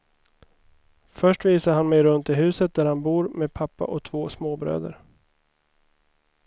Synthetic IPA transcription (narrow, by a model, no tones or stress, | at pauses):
fœʂʈviːsaɾɦanmɛjɾɵnt̪ɪɦʉ̟ːsət̪̚d̪æɾhanbuːɾmeːd̪̚pʰapːa̰ʔɔt̪ʰvoːsmoːbɾø̰ːd̪ə̰ɾ